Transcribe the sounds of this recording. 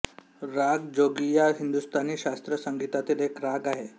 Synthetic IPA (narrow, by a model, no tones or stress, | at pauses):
ɾaɡd͡ʑoɡijaɦind̪ust̪aniːɕast̪ɾəsəŋɡit̪at̪ilekɾaɡaɦe